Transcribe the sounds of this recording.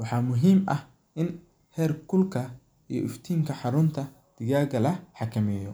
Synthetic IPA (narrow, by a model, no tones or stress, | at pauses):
wɑħɑːmʊɦiːmʔɐh | ʔɪn | hɛːrkʰʊlkʰɐ | ijɔ̰ʔɪft̪ʰiːŋkʰɐħɑɾʊnt̪ʰɐ | d̪̥ɪɣaːɣɐlɐħɑkʰɐmɛːjɔ